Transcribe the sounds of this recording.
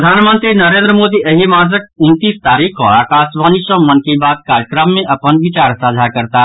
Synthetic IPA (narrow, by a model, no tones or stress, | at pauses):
d̪ʱaːnmə̃nt̪ɾinɐɾẽːnd̪ɾəmoːd̪iʔəɦimaːzək̚ʊnt̪iːst̪aːɾiːkʰoaːkaːsʋaːnisɔːmənkebaːd̪̚kaːɾjəkɾəmːẽʔɐpənʋɪt͡ʃaːɾsaːd͡ʒʱakɐɾt̪a